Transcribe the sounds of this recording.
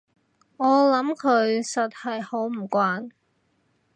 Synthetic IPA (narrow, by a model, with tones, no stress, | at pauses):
ŋɔː˨˧lɐ˨˥mkʰɵ˨˧ɥsɐ˨t̚hɐ˨jho˨˥wm̩˨˩kʷaː˧n